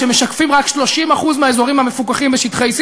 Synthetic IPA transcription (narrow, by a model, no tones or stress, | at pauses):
emeʃakfimʁakʃlo̞ʃimaχuzmeaezo̞ʁimhame̞fukaχimbeʃit̪χejs